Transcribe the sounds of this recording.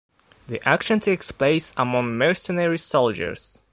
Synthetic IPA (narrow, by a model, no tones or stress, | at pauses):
ðiʔækʃə̃ntʰuɛkspleɪsəmɔ̃ŋmɜɹsənɛɹisold͡ʒə̰ɹs